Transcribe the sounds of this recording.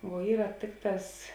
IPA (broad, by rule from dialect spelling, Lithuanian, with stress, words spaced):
ʋuɔ ˈiːrɐ ˈtʲeːkˌtɑːs